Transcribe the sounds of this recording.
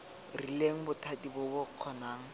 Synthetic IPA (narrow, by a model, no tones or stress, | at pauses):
rileŋ̩bʊtʰadibʊbʊq͡χʰɔnaːŋ̩